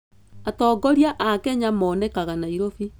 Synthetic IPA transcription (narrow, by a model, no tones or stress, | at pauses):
atɔːɡɔɾiaʔakɛɲamɔnɛkaɣanaiɾofi